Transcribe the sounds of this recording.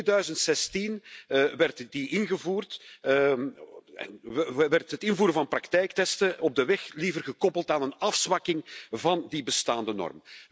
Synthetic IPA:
dœɥzəntsɛstinʋɛrtdiʔɪnɣəvuːrt | ɛ̰nʋɛrtɦətɪnvuːɾəvɑnprɑktɛjktɛstəɔb̚dəʋɛxlivərɣəkɔpəlˠtaːnənɑfsʋɑkɪŋvɑndibəstaːndənɔ̰rm

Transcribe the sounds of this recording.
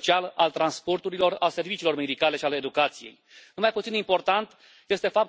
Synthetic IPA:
t͡ʃialalt̪ɾanspo̞rt̪uɾilo̞ralse̞rvit͡ʃiːlo̞rme̞d̪ikale̞ʃiale̞d̪ukat̪sije̞̰j̪ | ɨnmajput̪sinimpo̞rt̪ant̪ | je̞st̪e̞fap̚t

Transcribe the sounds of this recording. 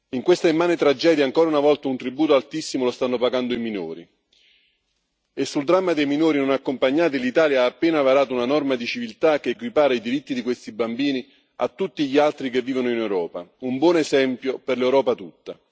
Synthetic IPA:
iŋkwest̪aimːaːnet̪ɾad͡ʒɛːd̪jaŋkɔːɾaunavɔlt̪aunt̪ɾibuːt̪oalt̪isːimolost̪anːopaɡand̪oimino̰ːɾi | esːuld̪ɾamːad̪ejminoːɾinonakːompaɲːaːt̪ilit̪aːljaaːpːeːnavaɾaːt̪ounanɔrmad̪it͡ʃivilt̪ak̟ːeːkwipaːɾaid̪iɾit̪ːid̪ikwest̪ibambiːni | a̰t̪ːut̪ːiʎialt̪ɾikevːiːvonoinɛwɾɔːpa̰umbwɔːnɛsɛmpjoperlɛwɾɔːpat̪ut̪ːa

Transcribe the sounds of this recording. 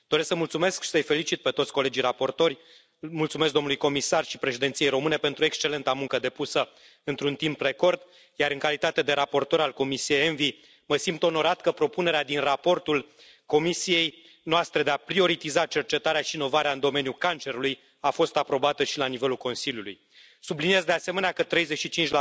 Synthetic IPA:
d̪o̞ɾesksəmult̪sume̞skʃi̥səjfe̞lit͡ʃit̪̚pe̞t̪ot̪sʲko̞led͡ʒijrapo̞rt̪o̞rʲ | mult̪sumeskd̪o̞mnulujko̞misarʃi̥pɾe̞ʃid̪ent̪sije̞jɾo̞mɨne̞pent̪ɾue̞kst͡ʃe̞le̞nt̪amuŋkəd̪e̞pusə | ɨnt̪ɾunt̪impre̞ko̞rd̪ | jaɾɨŋkalit̪at̪e̞d̪e̞ɾapo̞rt̪o̞ɾalko̞misijejenvi | məsimt̪o̞no̞ɾat̪kəpɾo̞pune̞ɾead̪inrapo̞rt̪ul | ko̞misije̞j | noast̪ɾed̪eapɾio̞ɾit̪izat͡ʃe̞rt͡ʃe̞t̪aɾeaʃiːno̞vaɾeaɨnd̪o̞me̞njukant͡ʃe̞ɾuluj | afo̞st̪apɾo̞bat̪əʃilanive̞lulko̞nsilʲjulṵj | sublinije̞zd̪e̞ase̞me̞neakət̪ɾe̞jzet͡ʃʃit͡ʃint͡ʃʲa

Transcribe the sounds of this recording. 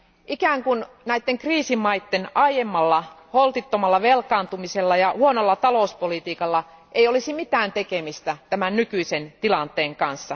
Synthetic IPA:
ʔikæːŋkun | næit̪ːeŋkriːsimːɑijt̪ːenɑjemːɑlːɑholt̪it̪ːomɑlːɑʋelkɑːnt̪umiselːɑjɑhuonolːɑt̪ɑlouspolit̪iːkɑlːɑ | ʔejolisimit̪æːnt̪ekemist̪æt̪æmænnykyisent̪ilɑnt̪ˑeːŋkɑnsːɑ

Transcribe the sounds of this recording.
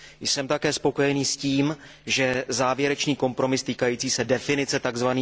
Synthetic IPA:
jsɛmt̪akɛːspo̞ko̞jɛniːsciːm | ʒɛzaːvjɛɾɛt͡ʃniːko̞mpɾo̞mɪst̪iːkajiːt͡siːsɛdɛfɪnɪt͡sɛt̪aɡzvaniː

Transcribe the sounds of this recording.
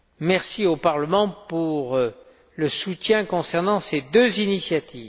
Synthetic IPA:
mɛʁsiopaʁləmɑ̃puʁ | ləsut̪jɛ̃kɔ̃sɛʁnɑ̃sed̪øzinisjat̪ʰiːv

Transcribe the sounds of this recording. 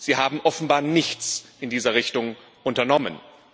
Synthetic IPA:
z̥iːɦaːbm̩ʔɔfn̩baːɐnɪçt͡sʔɪndiːzɐʁɪçtʊŋ | ʔʊntɐnɔmə̰n

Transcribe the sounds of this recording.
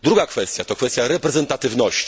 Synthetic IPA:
d̪ɾuɡakfɛst̪ʲjat̪ɔkfɛst̪jaɾɛpɾɛzɛnt̪at̪ɘvnɔɕt͡ɕi

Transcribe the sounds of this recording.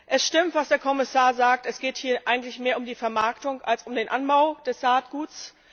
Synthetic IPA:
ʔɛsʃtɪmtv̥asd̥eːɐkʰɔmɪsaːɐzaːk̚tɛsɡ̥eːthiːɐʔaɪɡŋ̩tlɪçmeːɐʊmdiːfɛɐmaɐktʊŋʔalsʊmdeːnʔanbaʊd̥ɛsaːtɡ̥uːts

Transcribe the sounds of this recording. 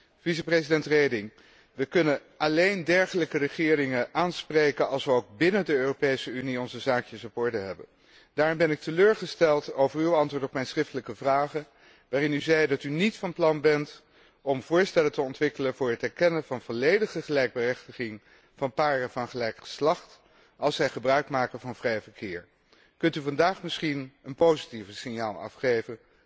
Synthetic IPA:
vis̬əprezidɛntrejdɪŋ | ʋəkɵnə | ɑlejndɛɹχələkərəχɪːrɪŋəʔaːnsprejkənɑlˠsʋəowɡ̚bɪnədəøːropejsəyniɔnzəzaːkjəsɔpɔɹdəɦɛbə̰n | d̥aːɹrɪmbɛnɪk̚tʰəløːɹχəstɛlˠtowvəɹywɑntʋʊːɹtɔpmɛjnsrɪftələkəvraːχə | ʋaːrɪnyzɛjdɑtynitfɑnplɑnbɛnt | ɔmv̥ʊːɹstɛlətəɔntʋɪkələnvʊːɹɦətɦɛɹkɛnəvɑnvɔlejdəχəχəlɛjɡ̚bərɛχtəχɪŋ | vɑnpaːɾəvɑnχəlɛjkχə̥slɑχt | ɑlˠsʋɛjχəbrœɥkmaːkəvɑnvrɛjvəɹkʰɪːɹ | kɵntyvɑndaːχmɪsχinənpowzitivəsɪnjaːlˠɑ̰fχejvən

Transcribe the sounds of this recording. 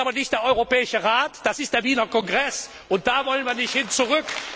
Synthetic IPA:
aːbɐnɪçt̚d̥eːɐʔɔʏʁopɛːɪʃəʁaːtd̥asɪstd̥eːɐviːnɐkɔŋɡʁɛs | ʊnt̚d̥aːvɔlənviːɐnɪçthɪnt͡suʁʏk

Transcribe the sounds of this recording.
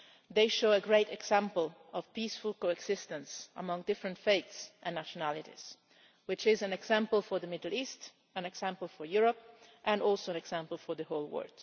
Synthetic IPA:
ðeɪʃoʊəɡɹeɪtɛɡz̥æ̃mpəlˠɔv̥pisfʊlˠkoɛɡz̥ɪstə̃nsə̰mʌ̃ŋdɪfɹə̃ntfeɪtsʔɛ̃nːæʃɔnælɪɾḭz̥ | wɪt͡ʃɪzæ̃nɛɡz̥æ̃mpəl̩ˠfɔɹðəmɪdl̩ˠist | æ̃nɛɡz̥æ̃mpəl̩ˠfɔɹjuɹɔp̚ʔɨ̃nɔlˠsoʊɨ̃nɛɡz̥æ̃mpəl̩ˠfɔɹðəhoʊlˠwɜ̰ɹd̥

